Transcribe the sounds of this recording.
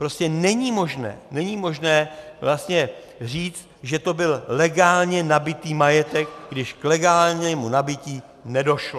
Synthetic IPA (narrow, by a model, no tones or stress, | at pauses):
pɾo̞scɛnɛɲiːmo̞ʒnɛ̰ːnɛɲiːmo̞ʒnɛːvlast̪ɲɛ | r̝iːt͡st̪̚ʒɛt̪o̞bɪllɛɡaːlɲɛnabɪt̪iːmajɛt̪ɛkɡdɪʃklɛɡaːlɲɛmunabɪciː | nɛdo̞ʃlo